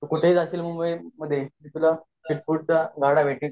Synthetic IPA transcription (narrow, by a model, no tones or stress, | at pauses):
t̪kuʈʰeɦiːt͡saɕiːlmumbəjməd̪ʱːjed͡ʑit̪ula | siʈ̚fuɽ̚t͡saɡaɽaʋʱeʈĩ